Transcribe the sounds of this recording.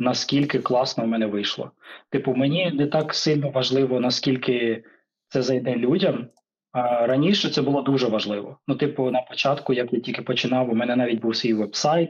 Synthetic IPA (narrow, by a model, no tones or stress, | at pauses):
nɐskʲilʲkɪklˠɑsnɔwmɛnɛʋɪjʃlˠɔ̰t̪ɪpʊmenʲinɛt̪ɑksɪlʲnɔʋɐʒlˠɪʋɔnɐskʲilʲkɪ | t̪sɛzɐjd̪ɛlʲudʲɐm | ɾɐnʲiʃɛt̪sɛbʊlˠɔd̪uʒɛʋɐʒlˠɪʋɔnut̪ɪpʊnɐpɔt͡ʃɑt̪kʊjakjatʲilʲkɪpɔt͡ʃɪnɑwumɛnɛnɑʋʲit̚ʲbuwsʲʋʲijʋɛbsɑjt̪̚